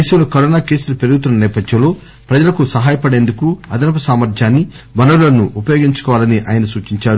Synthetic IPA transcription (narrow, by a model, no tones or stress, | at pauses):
ɐjsɐwlɐkɐɾoːnaːke̞ːsulɐpeɾuɡut̪̬unːɐnɛːpɐd̪ʱjɐmlo̞ː | pɾɐd͡ʒɐlɐkusɐɦaːjɐpɐɽe̞ːnd̪ukuɐd̪ɐnɐpɐsaːmɐɾd͡ʒ̪ʰʱjaːnːibɐnɐɾulɐnuʔːpɐjoːɡiɲt͡ʃu̥kɔːʋaːlɐniʔa̰ːjɐnɐsuːt͡ʃiɲt͡ʃaːɾu